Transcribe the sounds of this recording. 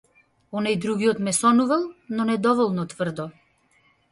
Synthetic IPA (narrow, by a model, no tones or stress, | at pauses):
ɔnajd̪ɾuɡiɔt̪mɛsɔnuvɛlˠnɔnɛd̪ɔvɔlˠnɔt̪vr̩d̪ɔ